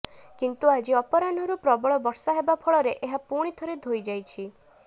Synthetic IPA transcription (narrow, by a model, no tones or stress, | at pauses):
kint̪uad͡ʒiɔpɔɾanɔɾupɾɔbɔɭɔbɔɾsaɦebapʰɔɭɔɾeʔeɦapuɽ̃it̪ʰɔɾed̪ʱojd͡ʒajt͡ʃʰi